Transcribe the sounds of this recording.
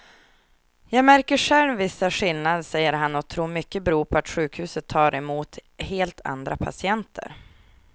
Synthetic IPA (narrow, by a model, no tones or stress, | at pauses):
jɑːɡmæɾkəʂɛlvɪsːaɧɪlnad̪sɛjːəɾɦanːɔt̪ʰɾuːɾmʏkːəbɾuːpʰɔat̪ɧʉ̟ːkhʉ̟ːsət̪ʰːɑːɾʔɛmuːt̪heːlt̪ʰa̰nd̪ɾapʰa̰sɪɛnt̪ʰə̰ɾ